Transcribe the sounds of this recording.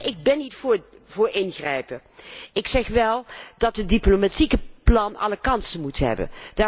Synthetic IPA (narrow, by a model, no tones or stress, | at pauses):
ʔɪɡ̚bɛnːitf | vʊːɹɪnɣrɛjpə | ɪksɛχʋɛlˠdɑtɦədiplomatikəplɑnɑ̰ləkɑnsənmutɦɛ̰bə̰nd̥aː